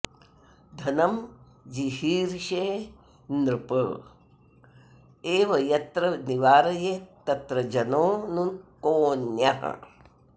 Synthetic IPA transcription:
d̪ʱɐnɐm | d͡ʒihiːɾʃeː | nɾupə̰ | eːʋɐjɐt̪ɾɐniʋaːɾɐjet̪ɐt̪ɾɐd͡ʒɐnoːnunkoːnjaɦɐ̰

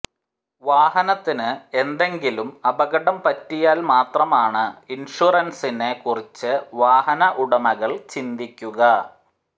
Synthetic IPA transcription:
ʋaːɦɐnɐt̪ːinɨe̞nd̪e̞ŋɡilumɐbɐɣɐɽɐmpɐtːijaːlmaːt̪rɐmaːɳɨinʂuːrɐnsinekurit͡ɕːɨʋaːɦɐnɐʔuɽɐmɐɣɐɭt͡ɕind̪ikʲːuɣɐ

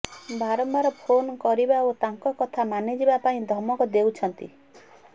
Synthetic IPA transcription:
bʱaɾɔmbaɾɔpʰonkɔɾibaot̪aŋkɔkɔt̪ʰamanid͡ʒibapaĩd̪ʱɔmɔkɔd̪ewt͡ʃʰɔnt̪ḭ

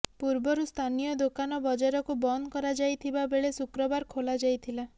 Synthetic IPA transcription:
puɾbɔɾust̪ʰanijɔd̪okanɔbɔd͡ʒaɾɔkubɔnkɔɾad͡ʒajt̪ʰibabeɭesukɾɔbaɾkʰolad͡ʒajt̪ʰila

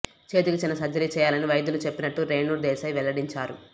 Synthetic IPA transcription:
t͡ʃe̞ːt̪ukut͡ʃinɐsɐd͡ʒɐɾiːt͡ʃɛːjaːlɐniʋɐjɐd̪ulut͡ʃe̞pːinɐʈːuɾeːɳuɾd̪ɛːsɐjʋɛlːɐɽiɲt͡ʃaːɾu

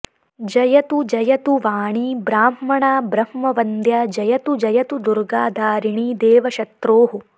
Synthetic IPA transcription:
d͡ʒɐjɐt̪ud͡ʒɐjɐt̪uʋaːɳibɾaːmːɐɳaːbɾɐmmɐʋɐnd̪jaːd͡ʒɐjɐt̪ud͡ʒɐjɐt̪ud̪uɾɡaːd̪ʱaːɾiɳiːd̪eːʋɐʃɐt̪ɾoːɦu

